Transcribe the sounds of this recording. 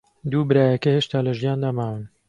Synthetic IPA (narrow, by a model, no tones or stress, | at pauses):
d̪uːbɨɾaːjɐkɐheːʃt̪aːlɐʒijaːnd̪aːmaːwɨn